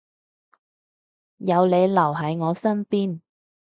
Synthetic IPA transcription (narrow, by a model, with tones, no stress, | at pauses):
jɐ˨˧wle˨˧jlɐ˨˩wɦɐ˨˥jŋɔː˨˧sɐ˥npiː˥n